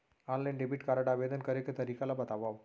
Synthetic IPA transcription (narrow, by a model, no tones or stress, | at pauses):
ɔnlajnɖebiʈkaɾəɖaʋed̪ənkəɾeket̪əɾikalabət̪aʋaʋ